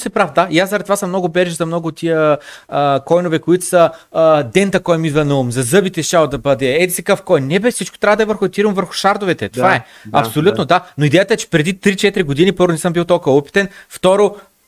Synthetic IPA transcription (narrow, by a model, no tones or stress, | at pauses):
sɛpɾafd̪aijaszɐɾɛd̪t̪ovasəmnɔɡʊbɛɾʒizɐmnɔɡoːt̪ːiə | kɔjnovɛkoit̪o̥sɐd̪ɛnt̪ɐkɔjmid̪vɐnɐumzɐzɤbit̪ɛʃt͡ʃalˠd̪ɐbɤd̪ɛɛd̪isɛkɤfkɔjnːɛbɛfsit͡ʃko̥t̪ɾʲavəd̪ɐɛvəɾxʊɛt̪iɾumvəɾxʊ̥ʃaɾd̪ovɛt̪ɛt̪ovaɛ | ɐpsolʲutt̪nod̪anoid̪ɛjət̪əɛt͡ʃɛ̥pɾɛd̪it̪ɾit͡ʃɛt̪iɾiɡod̪inipɤɾvʊnɛsɤmbilˠt̪ɔlˠkəvupi̥t̪ɛnft̪ɔɾo